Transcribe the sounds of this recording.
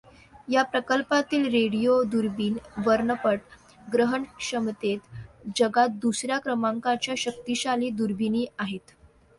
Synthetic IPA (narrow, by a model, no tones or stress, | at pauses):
japɾəkəlpat̪iːlɾeɽijod̪uɾbiːnʋəɾɳəpəʈ | ɡɾəɦəɳkʂəmt̪et̪d͡ʑəɡat̪̚d̪usɾjakɾəmaŋkat͡ɕjaɕək̚t̪iɕaliːd̪uɾbiniːaɦet̪